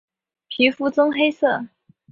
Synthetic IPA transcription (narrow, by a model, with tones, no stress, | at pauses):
pʰi˧˥fu˥˩t͡sɤ˥ŋxe˥ɪsɤ˥˩